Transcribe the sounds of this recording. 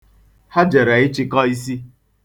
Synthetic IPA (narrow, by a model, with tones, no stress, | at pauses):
ha˦d͡ʒe˨ɾa˨ɪ˦t͡ʃɪ˦kɔ˦i˦si˦